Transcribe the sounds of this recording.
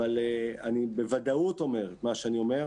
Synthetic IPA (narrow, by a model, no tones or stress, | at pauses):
aleanibe̞vad̪aut̪o̞me̞ʁet̪maʃeanio̞me̞ʁ